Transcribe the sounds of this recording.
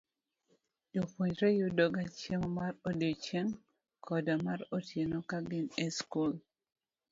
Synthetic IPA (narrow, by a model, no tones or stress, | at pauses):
d͡ʒopwoɲɾɛjodoɡat͡ʃeŋmarodiot͡ʃeŋ | kʰɔdamaɾotjenɔkaɡɪnɛskul